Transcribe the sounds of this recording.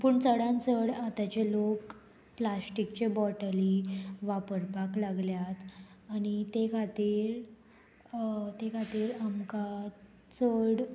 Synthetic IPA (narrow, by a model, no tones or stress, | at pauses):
puɳt͡səɽãnt͡səɽat̪at͡ɕelok | plasʈikt͡ɕebɔʈəliʋapəɾpaklaɡljat̪ | aɽ̃it̪ekʰat̪iːɾ | t̪ekʰat̪iːɾamka | t͡səɽ